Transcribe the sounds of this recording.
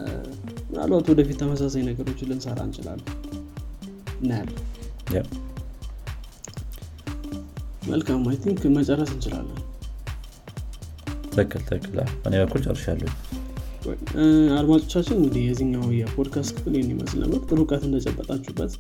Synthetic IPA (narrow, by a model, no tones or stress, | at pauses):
mna̰lwat̪wɔd̪əfit̪ːʰəməs̬as̬ajnəɡəɾo̞t͡ʃːlɨnsəɾa̰ɨ̰nt͡ʃʼɪla̰lː | naljaw | mʔə̰lkʰamːajt̪ʰiŋkmət͡ʃʼərːəsɨnt͡ʃɪla̰lːəh | t̪ʰəkːɨlt̪ʰəkːɨla̰bənebəkːult͡ʃʼə̰rʃja̰lːə | wɛ̰jad̪mat͡ʃʼo̞t͡ʃːat͡ʃːɪnɨŋɡɨd̪ihjɛziɲːawjɛpʰod̪kʰast̪kʰɨfɨljɛmːimə̰slnə̰bːəɾt̪ʼɨɾukʼat̪ɨnd̪ət͡ʃʼəbːət̪ʼat͡ʃːubːət̪